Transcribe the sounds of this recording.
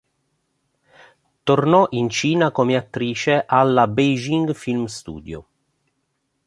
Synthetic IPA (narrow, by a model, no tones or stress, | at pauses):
t̪ornɔʔint͡ʃiːnakomeat̪ːɾiːt͡ʃeʔalːabejd͡ʒiŋɡfilmst̪ṵːd̪jo̰